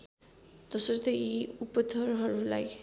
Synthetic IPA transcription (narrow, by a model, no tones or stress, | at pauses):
d̪ʌsʌɾt̪ʌiupʌt̪ʰʌɾɦʌɾulaj